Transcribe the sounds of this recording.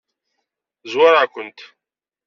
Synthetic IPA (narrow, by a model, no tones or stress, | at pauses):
zwaɾakʷənt̪